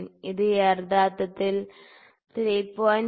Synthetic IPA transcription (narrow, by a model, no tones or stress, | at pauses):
niðɨjerd̪aːt̪ːɐt̪ːil | t̪iɾɐjpːoːn